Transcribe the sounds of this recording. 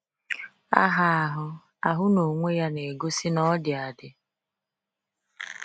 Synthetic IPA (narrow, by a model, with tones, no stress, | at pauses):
a̰˦ɦa˨a˨ɦʊ˦ | a˨ɦʊ˦no˨ŋʷe˦ja˦ne˨ɡo˦sɪ˦nɔ˦dɪ˨a˨dɪ˨